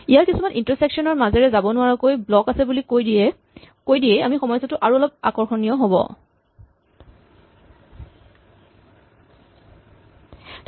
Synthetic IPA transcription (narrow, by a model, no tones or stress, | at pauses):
ijaɹkisumanʔintɔɹsɛksɔnɔɹmazɛɹɛzabɔnʊwaɹɔkojblɔkasɛbulioj | kojdijɛjamixɔmɔjsɔtʊʔaɹuɔlɔb̚akɔɹxɔnijɔɦobɔ̰